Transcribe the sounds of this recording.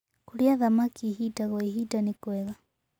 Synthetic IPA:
kuɾiaðamakiɦitaɣwaiɦitanikwɛɣa

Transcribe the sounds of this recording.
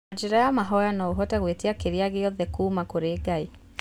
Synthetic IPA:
d͡ʒiɾajamaɦɔjanɔuɦɔtaɣwetiakeɾiaɣejɔðɛkumakoɾeɡai

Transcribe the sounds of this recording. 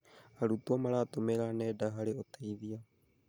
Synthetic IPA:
aɾut̪uamaɾat̪omeɾanedaɦaɾiot̪ejvia

